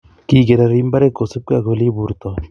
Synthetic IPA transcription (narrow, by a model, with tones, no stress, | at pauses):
kiː˨ɡe˨ɾaɾi˦mba˦ɾe˦ko˨se˦p̚kwa˨ko˨li˦βu˨ɾt̪ɔ˨